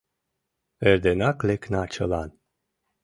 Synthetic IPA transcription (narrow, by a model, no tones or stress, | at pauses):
eɾd̪enakleknat͡ʃəlan